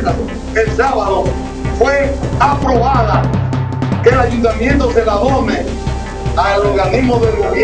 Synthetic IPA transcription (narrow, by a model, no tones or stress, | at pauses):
a | elsaβaðo | fweapɾo̞βaða | kelajunt̪amjẽnt̪oselaðome | alo̞ɾɣanizmoðelɣoβj